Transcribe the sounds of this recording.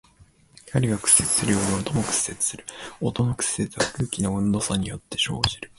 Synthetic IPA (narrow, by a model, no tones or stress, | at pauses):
kʲʰaɾʲiɡakɯ̟̥sːe̞t͡sɨ̥sɨɾɯjo̞ːɲiot̪o̞mokɯ̟̥sːe̞t͡sɨ̥sɨɾɯ̟̥o̞t̪o̞nokɯ̟̥sːe̞t͡sɨβakɯ̟ːkʲinoɯ̟̃nd̪o̞ːsaɲ̟ijo̞t̪ːe̞ɕo̞̰ːʑiɾɯ̟